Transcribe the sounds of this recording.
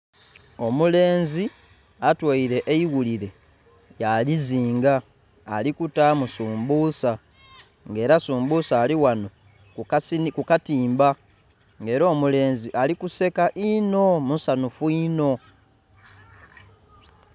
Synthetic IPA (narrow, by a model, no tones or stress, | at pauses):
o̞mule̞ːnzi | atwaiɾe̞ʔeiɣuliɾe̞ | jaliziːŋɡaː | likutamusuːmbuːsa | ŋɡe̞ːɾasuːmbusaːliwano̞ | kkukatiːmba | ŋɡe̞ːɾo̞ːmule̞ːnziʔalikuse̞kaʔino̞musanufuino̞